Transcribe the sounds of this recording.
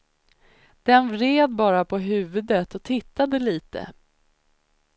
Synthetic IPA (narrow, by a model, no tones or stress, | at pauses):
d̪̥ɛnvɾeːd̪̚bɑːɾapʰɔɦʉ̟ːvɵd̪ət̪ɔt̪ʰɪt̪ːad̪əliːt̪ə̰